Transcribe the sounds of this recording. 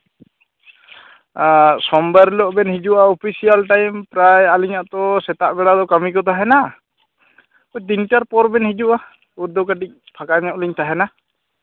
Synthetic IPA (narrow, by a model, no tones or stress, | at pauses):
sɔmbəɾlɔʔbɛnɦid͡ʒuʔaɔpʰisijalʈajmpɾajaliɲaʔt̪ɔsɛt̪aʔbɛɽad̪ɔkamikɔt̪ʰaɦɛna | ɔt̪inʈaɾpɔɾbɛnhid͡ʒuʔa | uɾd̪ɔwkaʈic̚pʰakaɲɔʔliɲt̪aɦɛna